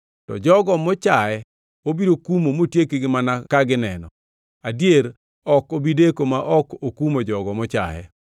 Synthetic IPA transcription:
tɔ̰d͡ʒɔɡɔmɔt͡ʃajɛ | obiɾokumomotjekeɡɪmanakaɡɪnɛnɔ | adjeɾ | ɔkobidekomaʔɔkokumod͡ʒɔɡɔmɔt͡ʃa̰jɛ̰

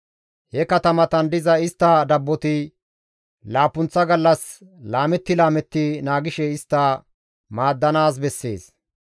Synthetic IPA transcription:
hɛkɐt̪ɐmɐt̪ɐnd̪ɪzɐɪst̪ːɐd̪ɐbːɔt̪ɪ | laːpːʊnt͡sːɐɡɐlːɐs | laːmɛt̪ːɪlaːmɛt̪ːɪnaːɡɪʃɛɪst̪ːɐ | maːd̪ːɐnaːs̬bɛsːe̞̰ːs

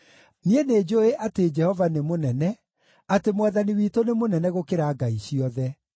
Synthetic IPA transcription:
niened͡ʒoeʔated͡ʒɛhɔvanemonɛnɛ | atemowaðaniwiːtonemonɛnɛɣokeɾaːɡaiɕiɔðɛ

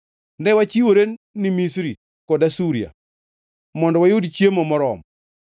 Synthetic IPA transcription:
ndɛwat͡ʃiwoɾenːimisɾi | kɔdasuɾia̰ | mɔndɔwajodt͡ʃjemɔmɔɾɔm

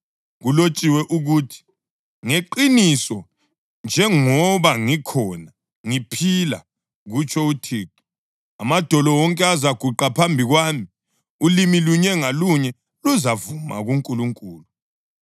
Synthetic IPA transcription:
ɣulot͡ʃʼiwɛʔuɣuːtʰi̥ | ŋeǃinisɔ | nd͡ʒʱɛŋɔβaŋikʰɔna | ŋipʰila̰ | ɣut͡ʃʰɔutʰiːǁi̥ | a̰mad̥ʱɔlɔwɔŋkʼɛazaɡ̥ʱuǃapʰambʱiɣwaːmi | ulimiluɲɛŋaluɲɛ | luzavuma̰ɣuŋkʼuluŋkʼuːlu

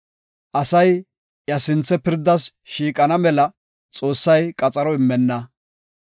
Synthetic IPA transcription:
ʔɐsɐj | jɐsɪnt͡sːɛpɪɾd̪ːɐs | ʃiːkʼɐnɐmɛlɐ | t͡sʼo̞ːsːɐjkʼɐt͡sʼɐɾɔɪmːɛnːɐ

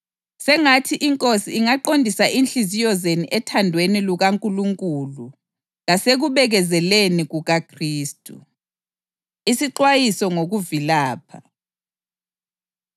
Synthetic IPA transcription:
sɛŋatʰiʔiŋkʼosiːŋaǃondʱisaʔinɬizijɔzeniʔɛtʰandʱweniluɣaŋkʼuluŋkʼulu | ɣaseɣuβɛɣɛzɛleniɣuɣakʰriːstʼṵ | isiǃwajisɔŋoɣuvilaːpʰa

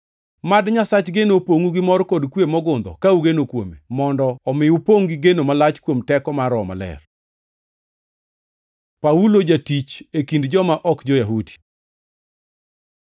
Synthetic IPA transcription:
madɲasat͡ʃɡenopoŋuɡɪmɔrkɔdkwemɔɡʊnd̪ɔ̰kauɡenokwo̰memɔndɔːmɪupoŋɡiɡenomalat͡ʃkwomtɛkɔmaɾɔma̰lɛ̰r | paulod͡ʒatit͡ʃekindd͡ʒɔmaʔɔkd͡ʒojaɦudi̥

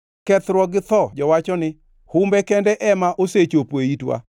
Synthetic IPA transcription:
kɛt̪ɾwɔɡɪt̪ɔd͡ʒɔwat͡ʃɔnɪ | hʊmbɛkɛndɛʔɛmaʔoset͡ʃopweitwa̰

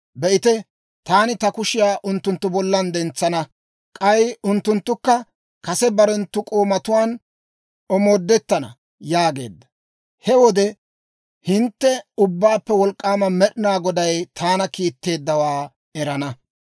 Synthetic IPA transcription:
bɛʔɪt̪ɛ | t̪aːnɪt̪ɐkʊʃɪjaːʔʊnt̪ːʊnt̪ːʊbɔlːɐnd̪ɛnt͡sːɐnɐ | kʼɐjʊnt̪ːʊnt̪ːʊkːɐ | kɐsɛbɐɾɛnt̪ːʊkʼoːmɐt̪ʊwaːn | ɔmoːd̪ːɛt̪ːɐnɐ̰ | jaːɡe̞̰ːd̪ːɐ̥ | hɛwɔd̪ɛ | hɪnt̪ːɛʊbːaːpːɛwɔlkʼːaːmɐmɛɗɪnaːɡɔd̪ɐjt̪ʰaːnɐkiːt̪ːe̞ːd̪ːɐwaː | ɛɾɐnɐ

